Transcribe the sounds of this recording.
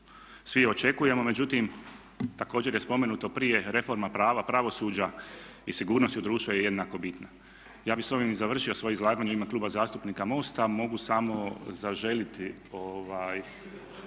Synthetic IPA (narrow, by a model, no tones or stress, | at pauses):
sʋio̞t͡ʃe̞kuje̞mo̞me̞d͡ʑut̪im | t̪ako̞ːd͡ʑe̞ɾjespo̞me̞nut̪o̞pɾije̞ɾe̞fo̞ɾmapɾaːʋapɾaʋo̞suːd͡ʑa | isiɡuːɾnost̪iud̪ɾuːʃt̪ʋojeje̞d̪nako̞bit̪na | jaːbixso̞ʋimizaʋr̩ʃio̞sʋo̞joizlˠaːɡaːɲuimaklˠuːbazaːst̪upniːkamo̞st̪amo̞ɡusamo̞zaʒe̞lit̪ | oʋaːj